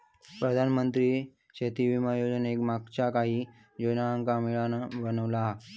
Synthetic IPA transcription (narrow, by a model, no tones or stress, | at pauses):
pɾəd̪ʱanmənt̪ɾiː | t͡ɕʰet̪iʋimajod͡zənekmaɡ̚t͡ɕakaɦiː | d͡ʑonaəŋkamiɭanaʋənəʋla